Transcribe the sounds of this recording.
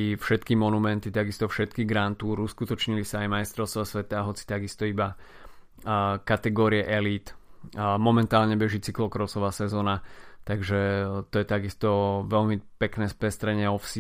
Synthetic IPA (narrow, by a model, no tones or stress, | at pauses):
ifʃɛt̪kimɔnumɛnt̪it̪aɡist̪ɔfʃɛt̪kiɡɾant̪uːɾuskut̪ɔt͡ʃɲilisaːjmajst̪ɾɔʊst̪ʋasʋɛt̪aːɦɔt͡si̥t̪aɡist̪ɔiba | kat̪ɛɡɔːɾiɛʔɛliːt̪ | mɔmɛnt̪aːlɲɛbɛʒiːt͡siklɔkɾɔsɔʋaːsɛzɔːnat̪aɡʒɛt̪ɔjɛt̪aɡist̪ɔʋɛʎmipɛknɛːspɛst̪ɾɛɲɪɛɔfsi